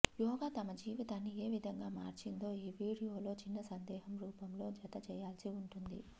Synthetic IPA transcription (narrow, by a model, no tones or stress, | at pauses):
jɔːɡaːt̪ɐmɐd͡ʒiːʋit̪aːnːie̞ːʋid̪ʱɐŋɡaːma̰ːɾt͡ʃind̪o̞ːiːʋiːɽijoːlo̞ːt͡ʃinːɐsɐnd̪ɛːɦɐmɾuːpɐmlo̞ːd͡ʒɐt̪ɐt͡ʃɛːjaːlsiuɳʈund̪ḭ